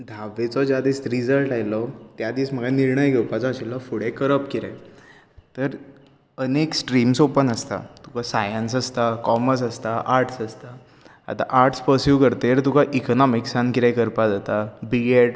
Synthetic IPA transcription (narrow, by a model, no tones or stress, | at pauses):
d̪ʱaʋet͡sɔd͡ʑad̪iːsɾid͡zəlʈajlɔt̪jad̪iːsm̤əɡaniɾɳəjɡʱewpat͡sɔəɕilːɔfuɽekəɾəpkiɾaj | t̪əɾ | əneksʈɾiːmsopənəst̪a̰t̪ukasajənsəst̪akɔməɾs̬əst̪aʔaɾʈsəst̪a | a̰t̪a̰ʔaɾʈspəɾsjukəɾt̪eɾt̪ukaʔikɔnɔmiksankiɾajkəɾpad͡zat̪abiɡeʈ